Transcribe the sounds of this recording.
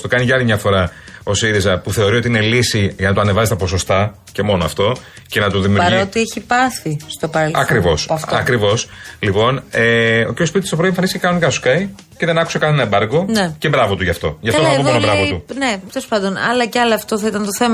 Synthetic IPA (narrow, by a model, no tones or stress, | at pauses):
st̪o̞kɐniʝɐɐlimɲɐfo̞ɾɐo̞siɾizɐpuθe̞o̞ɾiot̪iine̞lisiʝɐnɐt̪oɐnevɐzest̪ɐpo̞so̞st̪ɐ | ce̞mo̞noɐft̪o̞ | ce̞nɐt̪uðimiuɾɾiot̪ieçipɐθist̪opɐkɾivo̞sɐftɐkɾivo̞slipo̞neociɾospit̪i̥st̪opɾo̞iefɐnisçcekɐno̞nikɐsuskɐi | ceðe̞nɐkusekɐnenɐebɐɾɡo̞nece̞bɾɐvot̪uʝɐft̪o̞̰ʝɐfoɐpomnbɾɐvot̪unet̪eɾospɐd̪onɐ̰lɐceɐlɐɐft̪o̞θɐit̪ɐnt̪oθe̞m